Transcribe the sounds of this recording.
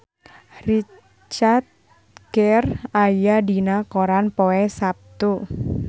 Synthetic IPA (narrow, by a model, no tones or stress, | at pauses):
ri | t͡ʃart̪̚ | ɡɛrajadinakoɾanpoɛsap̚t̪u